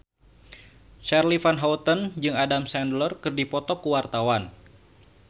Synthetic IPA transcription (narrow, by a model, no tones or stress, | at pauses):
t͡ʃarlifanɦaut̪ənd͡ʒɨŋadamsɛndlərkɨrdipɔt̪ɔkuwart̪awan